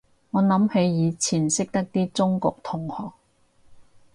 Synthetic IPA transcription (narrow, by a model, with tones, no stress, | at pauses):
ŋɔː˨˧nɐ˨˥mhe˨˧jjiː˨˧t͡sʰiː˨˩nsɪ˥k̚t̪ɐ˥k̚t̪iː˥t͡sʊ˥ŋkʊ˨k̚t̪ʰʊ˨˩ŋhɔː˨k̚